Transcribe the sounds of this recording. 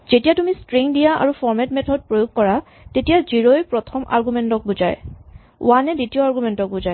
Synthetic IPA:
z̥etijatumistɹiŋdijaʔa̰ɹufɔɹmɛtmɛtʰɔd̚pɹojoɡ̚kɔɹa | tetijaziɹojpɹɔtʰɔmʔa̰ɹɡumɛntɔk̚buza̰j | ʊ̰wanɛditijoaɹɡumɛntɔk̚buzaj

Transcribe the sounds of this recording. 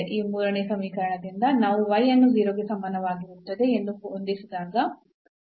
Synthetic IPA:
ʔiːmuːɾɐɳesɐmiːkɐɾɐɳɐd̪ind̪ɐnaːʋuʋɐjːɐnːuʋiːɾoːɡesɐmːaːnɐʋaːɡiut̪ːɐd̪e̞end̪uond̪isid̪aːɡɐ

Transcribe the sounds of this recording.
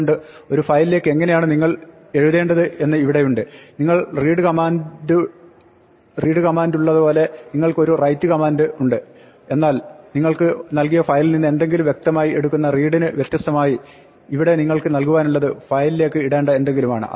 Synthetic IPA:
ɳɖɨo̞ɾufɐjlile̞ːkːɨe̞ŋːɐnejaːɳɨniŋːɐɭ | e̞ɻuðe̞ːɳɖɐðɨe̞nːɨiʋiɽe̞juɳɖɨniŋːɐɭriːɽɨkɐmaːndɨ | riːɽɨkɐmaːnduɭːɐðɨpo̞ːle̞niŋːɐɭko̞ɾurɐjtːɨkɐmaːndɨuɳɖɨ | e̞nːaːlniŋːɐɭkɨnɐlk̬ijɐfɐjlninːe̞nd̪e̞ŋɡilumʋje̞k̚t̪ɐmaːjie̞ɽukːunːɐriːɽinɨʋjet̪jɐst̪ɐmaːjiː | ʋiɽe̞niŋːɐɭkɨnɐlkuʋaːnuɭːɐðɨfɐjlile̞ːkːɨiɽe̞ːɳɖɐe̞nd̪e̞ŋɡiluma̰ːɳɨ̰ʔɐ̰

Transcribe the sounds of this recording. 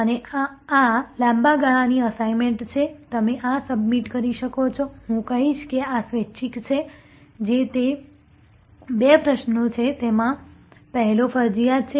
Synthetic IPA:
əne | alãmbaɡaɭ̃ãniəsaimeɳʈt͡ʃʰet̪əmeʔasəbmiʈkəɾiʃəkot͡ʃʰoɦũkəɦiʃkeasʋetːʃʰikt͡ʃʰe | d͡ʒet̪e | bepɾəʃnot͡ʃʰet̪emãpəɦɛlofəɾd͡ʒijat͡ʃʰe

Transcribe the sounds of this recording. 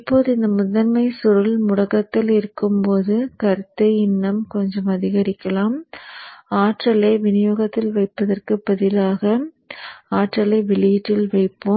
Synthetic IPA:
ɪpːoːðɯɪnd̪ɐmʊðɐnmɐɪsʊɾɐlmʊɽɐɣɐt̪ːɪlɪɾɯkːɯmpoːðɯkɐɾt̪ːɐjɪnːɐmkɔɲd͡ʒɐmɐðɪɣɐɾɪkːɐlaːm | aːʈrɐlɐɪʋɪnɪjoːɣɐt̪ːɪlʋɐɪpːɐðɐrkɯbɐðɪlaːɣɐ | aːʈrɐlɐɪʋɪliʈːɪlʋɐɪpːoːm

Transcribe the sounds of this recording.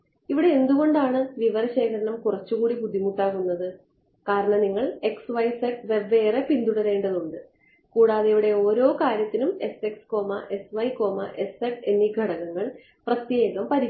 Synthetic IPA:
iʋiɽe̞end̪uɣo̞ɳɖaːɳɨʋiʋɐɾɐɕe̞ːkʰɐɾɐɳɐmkurɐt͡ɕːuɣuːɽibud̪ʱːimuʈːaːɣunːɐðɨ | kaːɾɐɳɐmniŋːɐɭe̞ksʋɐjseʈʋe̞ʋːe̞ːrepind̪uɽɐɾe̞ːɳɖɐðuɳɖɨ | kuːɽaːðeiʋiɽe̞o̞ːɾo̞ːkaːɾjɐt̪ːinume̞se̞ksko̞ːmɐʔe̞sʋɐjko̞ːmɐ̰ʔe̞seʈe̞nːiɡʱɐɽɐɣɐŋːɐɭ | prɐt̪je̞ːɣɐmpɐɾi

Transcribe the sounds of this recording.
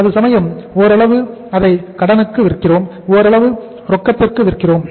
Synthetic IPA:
ɐðɯsɐmɐjɐmoːɾɐɭɐʋɯɐðɐɪkɐɽɐnɯkːɯʋɪɾkːɪroːm | oːɾɐɭɐʋɯ | ɾɔkːɐt̪ːɪrkɯʋɪɾkɪroːm

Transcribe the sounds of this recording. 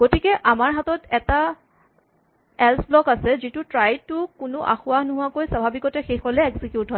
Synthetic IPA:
ɡ̥otikɛʔamaɹɦatɔtɛta | ɛlsblɔkasɛzitʊtɹajd̚tʊkʊnʊʔa̰xʊanʊɦʊakojsabʱabikɔtɛxexɔlɛekzikjutɦɔj

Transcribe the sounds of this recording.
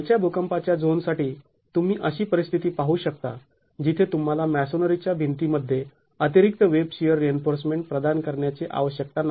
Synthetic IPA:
t͡ɕjabʱokəmpat͡ɕjad͡zonsaʈiː | t̪um̤iːʔəɕiːpəɾist̪ʰit̪iːpaɦuːɕək̚t̪a̰ | d͡ʑit̪ʰet̪um̤alamæsonəɾit͡ɕjabʱint̪iməd̪ʱːje | ət̪iɾik̚t̪əʋebɕijəɾːienfoɾsmeɳʈ̚pɾəd̪ankəɾɳjat͡seʔa̰ʋəɕjək̚t̪ana

